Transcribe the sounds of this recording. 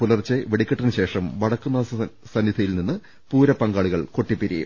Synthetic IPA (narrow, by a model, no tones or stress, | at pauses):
pulɐrt͡ɕːɨʋeɽikʲːɐʈːinɨɕe̞ːʂɐmʋɐɽɐkːunːɐsɐnːid̪ʱɐjilninːɨ | puːɾɐpːɐŋɡaːɭuɣɐɭko̞ʈːipːiɾijṵm